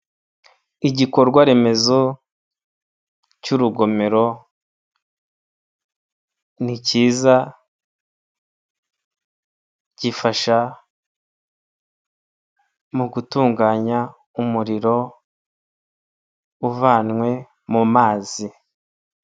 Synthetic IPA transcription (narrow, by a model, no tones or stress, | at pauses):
iɟikoɾɡwaɾe̞me̞zo | cuɾuɡo̞me̞ɾo̞ | niciːza | ɟifaʃa | muɡutuːŋɡaɲa | umuɾiɾo̞ | uvaːnŋwe̞ | mumaːzi